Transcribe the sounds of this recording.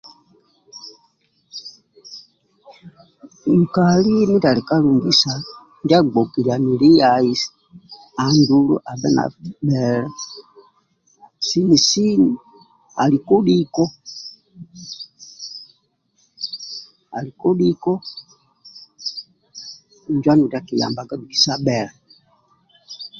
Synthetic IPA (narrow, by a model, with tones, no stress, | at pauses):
m̩˨ka˨li˦mi˦ta˨li˨ka˦lu˨ŋɡi˦sa˨ | nd͡ʒa˦˨ɡ͡bɔ˨ki˨lia˨ni˨li˦jai˦s | a˨ndu˦lṵ˦ʔa˨ɓɛ˦na̰˨ɓɛ˨ɾɛ˦ | si˦ni˨si˦ni | a̰˨li˨kɔ˦ɗikɔ˦ | a̰˨li˨kɔ˦ɗi˦kɔ˦˨ | ɲd͡ʒwa˦ni˨u˨da˨ki˨ja̰˨mba˨ɡa˦du˨ki̥˨sa˦ɓɛ˨lɛ˨